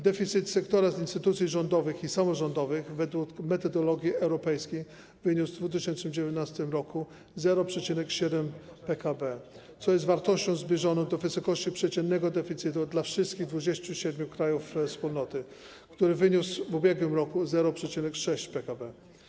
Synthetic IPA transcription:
d̪ɛfʲit̪sɘt̪sɛkt̪ɔɾazinst̪ɘt̪ut̪sʲjiʐɔnd̪ɔvɘxisamɔʐɔnd̪ɔvɘxvɛd̪wukmɛt̪ɔd̪ɔlɔɡʲjiɛwɾɔpɛjskʲi | vɘɲuzd̪vut̪̬ɘɕɛnnɘmd͡ʑevʲjɛt̪nast̪ɘmɾɔku | zɛɾɔpʂɛt͡ɕinɛkɕɛd̪ɛmpɛkabɛt̪sɔjɛst̪vaɾt̪ɔɕt͡ɕɔ̃w̃zbʲjɛʐɔnɔ̃w̃d̪ɔvɘsɔkɔɕt͡ɕipʂɛt͡ɕɛnːɛɡɔd̪ɛfʲit̪sɘt̪ud̪lafʂɘst̪kʲiɣd̪vud͡ʑest͡ɕuɕɛd̪mʲukɾajufspulnɔt̪ɘ | kt̪uɾɘvɘɲusvubʲjɛɡwɘmɾɔkuzɛɾɔpʂɛt͡ɕinɛkʂɛɕt͡ɕpɛkabɛ

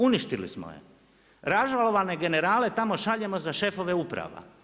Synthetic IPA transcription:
uniʃt̪ilḭsmo̰jḛ | ɾaʒalo̞ʋane̞ɡe̞neɾaːle̞t̪amo̞ʃaʎe̞mo̞zaʃe̞fo̞ʋe̞upɾa̰ʋa̰

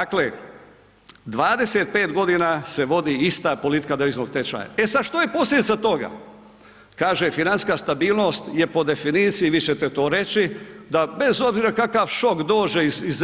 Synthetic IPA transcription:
akle | d̪ʋaːd̪e̞seːt̪̚pe̞ːt̪ɡo̞d̪iːnaːse̞ʋo̞d̪iist̪aːpo̞lit̪i̥kad̪eʋiznoɡ̚t̪et͡ʃa̰ɲa̰e̞sad̪ʃt̪oje̞po̞slʲe̞d̪it̪sat̪o̞ɡa̰ | kaːʒefinanskaːst̪abiːlˠno̞ːst̪je̞po̞d̪e̞finiːt̪sijiʋiːt͡ɕe̞t̪e̞t̪o̞ːɾe̞t͡ɕid̪abe̞zo̞bziːɾakakaʋʃo̞kd̪o̞ːd͡ʒeiziz

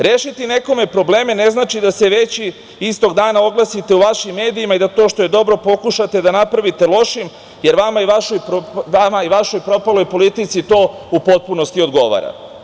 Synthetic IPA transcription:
ɾeːʃit̪ine̞ko̞me̞pɾo̞ble̞ːme̞ne̞znaːt͡ʃid̪ase̞ʋe̞t͡ɕ | ist̪o̞ɡd̪aːnaoɡlˠasit̪e̞uʋaʃimːe̞ːd̪iimaid̪at̪o̞ːʃt̪o̞je̞d̪o̞bɾo̞po̞kuʃat̪e̞d̪anapɾaʋit̪e̞lˠo̞ʃim | je̞ɾʋamaiʋaʃojpoamaiʋaʃo̞jpɾo̞palo̞jpo̞lit̪it̪sit̪o̞ːupo̞t̪̚puno̞st̪io̞d̪ɡo̞ʋa̰ɾa̰

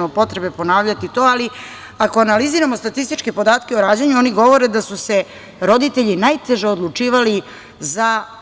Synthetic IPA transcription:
mopo̞t̪ɾe̞be̞po̞naːʋʎat̪it̪o̞ːali | ako̞analiziːɾamost̪at̪ist̪it͡ʃkepo̞d̪aːt̪keoɾaːd͡ʑaɲuo̞niɡo̞ʋo̞ɾe̞d̪asuse̞ | ɾo̞d̪it̪eʎinajt̪e̞ʒeod̪lˠut͡ʂiːʋali | za

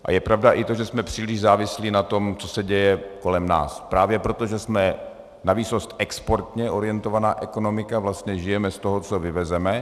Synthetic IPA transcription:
ʔa̰jɛpɾavdaʔɪt̪o̞ʒɛsmɛpr̥iːlɪʒzaːvɪsliːnat̪o̞mt͡so̞sɛɟɛjɛko̞lɛmna̰ːspɾaːvjɛpɾo̞t̪oʒɛsmɛ | naviso̞st̪ʔɛkspo̞ɾt̪ɲɛʔo̞ɾɪjɛnt̪o̞vanaːʔɛko̞no̞mɪkavlast̪ɲɛʒɪjɛmɛst̪o̞ɦot͡sovɪvɛzɛmɛ

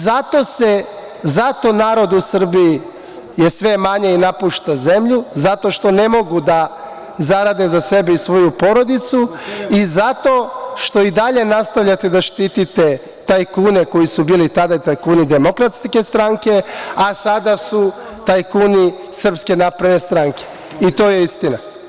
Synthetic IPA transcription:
zat̪o̞se̞ | zat̪o̞naːɾo̞d̪usr̩biː | je̞sʋe̞maɲe̞inapuʃt̪aze̞mʎuzat̪o̞ʃt̪o̞ne̞mo̞ɡud̪a | zaɾad̪e̞zase̞beisʋo̞jupo̞ɾo̞d̪it̪suizat̪o̞ʃt̪o̞id̪aʎe̞nast̪aʋʎʲat̪e̞d̪aʃt̪it̪it̪e | t̪ajkuːne̞ko̞jisubiːlit̪ad̪ait̪ajkuːnid̪e̞mo̞kɾat̪ske̞st̪ɾaŋke̞asad̪asu | t̪ajkuːni | sr̩pske̞naːpɾad̪ne̞st̪ɾaŋke̞̥ | it̪o̞ːje̞ist̪ina

